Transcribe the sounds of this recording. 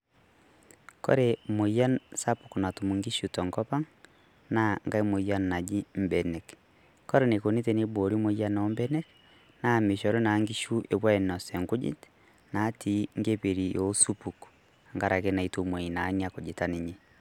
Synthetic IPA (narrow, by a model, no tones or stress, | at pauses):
kɔ̰ɾemoijansapuknatumuŋɡiʃutɔŋkɔpaŋ | naŋɡaimoijannad͡ʒim̩bɛnɛk | kɔɾenekoneteneboɾimoijanɔmbɛnɛk | nameʃɔɾonaŋɡiʃuʔeβwaɛnɔsɛŋɡud͡ʒḭt | natiŋɡeβeɾijosupuk | aŋɡaɾakenaitumwɛinaniakod͡ʒetaniɲe